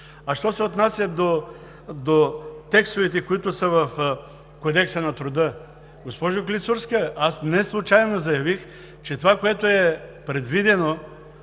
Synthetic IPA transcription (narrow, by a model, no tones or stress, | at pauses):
aʃt̪ɔsɛot̪nasʲjɐd̪o | d̪ot̪ɛkst̪ʊvit̪ɛkoit̪ʊsəvɐf | kod̪ɛksənɐt̪ɾʊd̪ə | ɡospɔʒoklʲisuɾskəasnɛslˠut͡ʃajnozɐjɐvix | t͡ʃɛt̪ovakoɛt̪oɛpɾɛd̪vid̪ɛno